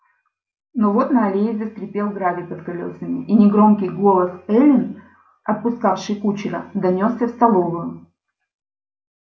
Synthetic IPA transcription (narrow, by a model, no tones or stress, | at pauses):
novo̞t̪nɐɐlʲejɪvʲɪsk̪ɾʲɪpʲe̞lˠɡɾavʲɪpɐt̪kɐlʲo̞̰səmʲɪʔinʲɪɡɾo̞mkʲɪjɡo̞lˠəsɛlʲɪn | ɐt̪̚pʊskafʂɨjkut͡ɕɪɾəd̪ɐnʲo̞sːʲɐfst̪ɐlˠo̞vʊjʊ